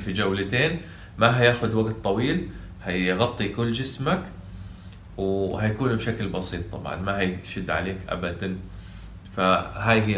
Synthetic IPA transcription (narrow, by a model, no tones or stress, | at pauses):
fid͡ʒawlat̪eːn | maɦajaːxʊd̪waɡt̪ˤːɑwiːl | hajɣɑt̪ˤːikʊlːd͡ʒɪsmak | whajakuːnbʃaklbɑsiːt̪ˤːɑ̰bʕɑ̰nmahajʃɪd̪ːʕa̰leːkʔa̰bad̪an | faɦaːjɦi